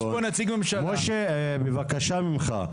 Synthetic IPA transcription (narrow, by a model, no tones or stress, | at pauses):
onat͡siɡmemʃamoʃe | bevakaʃamimχa̰